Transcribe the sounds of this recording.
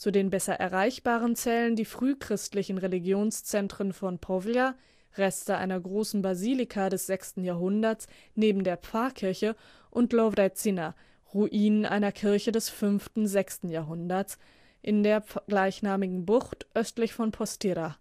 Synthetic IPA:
t͡sudeːnbɛsɐʔɛ̰ɐʁaɪçb̥aːʁ̞ənt͡sɛːləndiːfʁ̥yːkʁ̥ɪstlɪçn̩ʁeliɡjoːnst͡sɛntʁ̥ənfɔnpʰɔvja | ʁɛstəʔa̰ɪnɐɡʁoːsn̩baziːlɪkʰadɛsz̥ɛkstn̩jaːɐɦʊndɐs | neːbm̩deːɐp͡faɐkʰɪɐçə | ʔʊntlɔvʁat͡sina | ʁuʔiːnənʔa̰ɪnɐkʰɪɐçədɛsfʏnftn̩zɛkstn̩jaːɦʊndɐs | ʔɪndeːɐɡ̥laɪçnaːmɪɡŋ̩bʊχtʔœstlɪçfɔnpʰɔstʰɪɾa

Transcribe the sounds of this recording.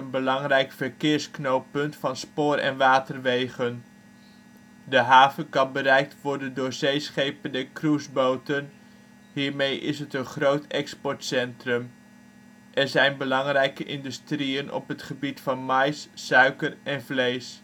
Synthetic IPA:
ənbəlɑŋrɛjkfəɹkɪːɹsknowpɵntfɑnspoːrɛ̰nʋaːtərʋejχən | dəɦaːvənkɑnbəɾɛjk̚tʋɔɹdəndʊːɹzejsχejpəndəkrusbowtən | ɦiːɹmejʔɪ̰sɦətənχrowtɛkspɔɹtsɛntrɵm | ʔɛɹzɛjnbəlɑŋrɛjkəʔɪndystriənɔ̰pɦətχəbitfɑnmɑjsːœɥkərʔɛnvlejs

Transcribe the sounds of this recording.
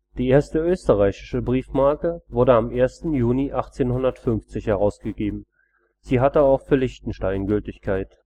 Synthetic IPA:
d̥iːʔeːɐstəʔøːstəʁaɪçɪ̥ʃəbʁiːfmaɐkəvʊɐdəamʔeːɐstn̩juːniʔaχt͡seːnhʊndɐtfʏnft͡sɪçhɛʁ̞aʊsɡ̥əɡeːbm̩ | z̥iːɦatəaʊxfyːɐlɪçtn̩ʃtaɪnɡʏltɪçkʰaɪt

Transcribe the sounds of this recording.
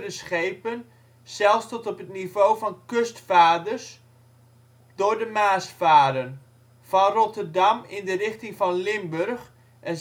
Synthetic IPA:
dəsχejpən | sɛlˠfstɔtɔpətnivowfɑnkøstfaːdərs | d̥ʊːdəmaːsfaːdən | fɑnrɔtərdɑmɪndərɪχtɪŋfɑnlɪmbørx | ʔɛn

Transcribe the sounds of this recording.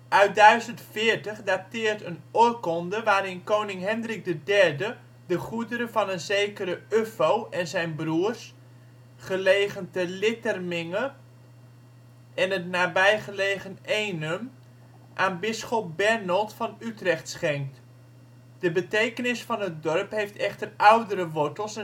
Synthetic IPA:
ʔœɥt̚dœɥzəntfɪːɹtəχdatɪːrtənɔjkɔndəʋaːɾɪnkownɪŋɦɛndrɪk̚dədɛɹdə | dəχudəɾəvɑnənzejkəɾəøfowʔɛnzɛjnbruərs | χəleːχəntəlɪtərmɪŋə | ɛnətnaːbɛjχəlejχənejnəm | ʔaːnbɪsχɔp̚bɛɹnɔlˠtfɑnytrɛχtsχɛŋk̚t | d̥əbətejkənɪsfɑnɦət̚dɔrpɦejftʰɛχtərʔawdəɾəʋɔɹtəlˠs

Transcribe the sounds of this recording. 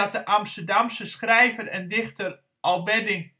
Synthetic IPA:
t̚dəʔamstərdamsəsχrɛjvərɛndɪχtər | ʔɔlˠʋɛdɪŋ

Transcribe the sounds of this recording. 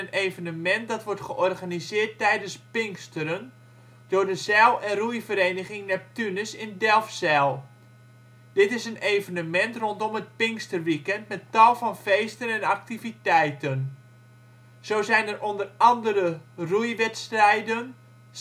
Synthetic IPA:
ənejvənəmɛnt̚dɑtʋɔɹtχəʔɔrɣanizɪːərtːɛjdənspɪŋkstəɾən | d̥ʊrdəzɛlˠɛnrujfəɾejnəχɪŋnɛp̚tynəsɪndɛlˠfsɛlˠ | d̥ɪtɪsənejvənəmɛntrɔntɔmət̚pɪŋkstərʋikɛntmɛttɑlˠfɑnfejstənɛnak̚tivitɛjtən | z̥oːzɛjnərʔondərɑndəɾərujʋɛtstrɛjdən

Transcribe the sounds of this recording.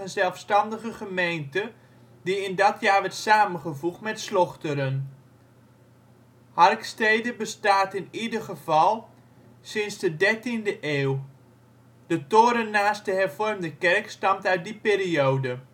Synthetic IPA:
ənzɛlˠfstɑndəɣəχəmejntə | diɪndɔtjaːɹʋɛɹtsaːmənχəvuχtmɛtslɔχtəɾən | hɑrkstejdəbəstaːtɪnidərχəvɑlˠ | sɪnzdədɛrtindəʔeːw | d̥ətoːɾənːaːst̚dəɦɛrvɔrmdəkɛrkstɑmtœɥt̚dipeːɾiowdə

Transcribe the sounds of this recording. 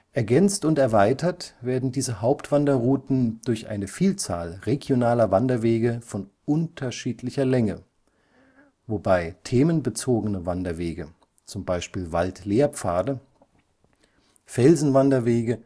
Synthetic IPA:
ʔɛɐɡɛnt͡stʊntɛɐvaɪtʰɐtv̥eːɐdn̩diːzəhaʊptv̥andɐʁuːtn̩d̥ʊɐçʔa̰ɪnəfiːlt͡sa̰ːlʁeɡjonaːlɐvandɐveːɡəfɔnʔʊntʰɐʃiːtʰlɪçɐlɛŋə | vobaɪtʰeːmənbət͡soːɡənəvandɐveːɡə | t͡sʊmbaɪʃpiːlva̰ltleːɐp͡faːɐdə | fɛlzn̩vandɐveːɡə

